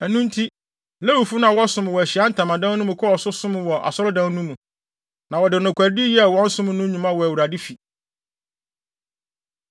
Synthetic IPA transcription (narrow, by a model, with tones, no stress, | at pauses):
ɛ˨nũ˦n˦tʰi˦˨ | lɛ˦wu˨fu˦nã˨wɔ˦sʊ̃˦˨m˨wɔ˨æ˨ɕi˨a˦n̩˦tʰã˨mã˨dã˦nũ˦mũ˨kʰɔ˦ɔ˨sʊ˦sʊ̃˦m̃˨wɔ˨ʔa̰˨sɔ˦ɾʊ˦dã˦n˦nũ˦mũ˨ | nã˨wɔ˨dɪ˨nʊ̃˨kʷʰæ˨ɾdi˦jɛ˦˨wɔ̃˦n̩˦sʊ̃˦m̃˦nʊ̃˦ɲũ˨mã˦wɔ˨æ˨wu˨ɾa˨dɪ˦fi˨